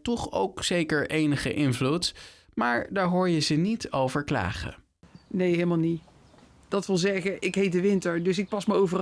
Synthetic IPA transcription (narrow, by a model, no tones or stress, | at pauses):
tɔχo̰wksejkəɹʔejnəχə̰ʔɪnvlut | maːɹdaːɹɦoːɹjəzənitowvəɹkla̰ːχə̰ | nejɦelˠmalˠni | d̥ɑtʋɪlˠzɛɣəʔɪkɦejt̚dəʋɪntəɹdɵsɪk̚pɑsməɹowvər